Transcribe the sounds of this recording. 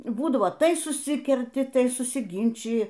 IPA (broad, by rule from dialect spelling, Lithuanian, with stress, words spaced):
ˈbuːdɐʋoː ˈtɐɪ sʊˈsʲɪkʲɛrʲtʲɪ ˈtɐɪ sʊsʲɪˈɡʲɪnʲt͡ʃʲɪjɪ